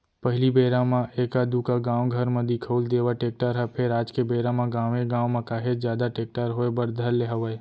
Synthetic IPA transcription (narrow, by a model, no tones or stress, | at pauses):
pəɦɪlibeːɾamãeːkad̪ukaɡãːwɡʱəɾmə̃d̪ikʰoːld̪eːʋaʈeːk̚ʈəɾɦɛpʰɪɾaːd͡ʒkebeːɾãmãɡãːʋẽɡãːwmãkaːɦed͡ʒjaːd̪aʈeːk̚ʈəɾɦoebəɾd̪ʱəlːeɦəʋəe